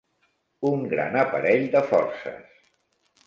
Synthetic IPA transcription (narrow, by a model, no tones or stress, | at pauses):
uŋɡɾa̰nəpəɾɛʎd̪əfɔɾsə̰s